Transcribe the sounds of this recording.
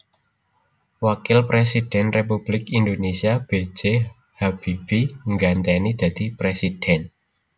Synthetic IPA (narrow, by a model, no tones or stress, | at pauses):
wakɪlpɾesid̥ɛnrep̬ub̥lɪkindonesiab̥e̥d͡ʒe | hab̥ib̥iŋɡant̪ɛnid̥̪a̤d̪̥ipɾesid̥ɛn